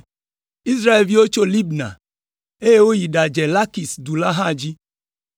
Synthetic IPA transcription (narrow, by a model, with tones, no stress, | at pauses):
i˦sɾa˦e˨lvi˦wo˦t͡ʃo˦li˦bna̰˨ | e˦je˦wo˦ji˨ɖa˨d͡ʒɛ˨la˦ki˨sdu˨la˦ɦã˦˨d͡ʒi˦